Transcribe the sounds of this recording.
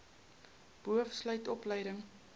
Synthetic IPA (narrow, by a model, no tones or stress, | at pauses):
b̥uəfslœɥtɔpləjdəŋ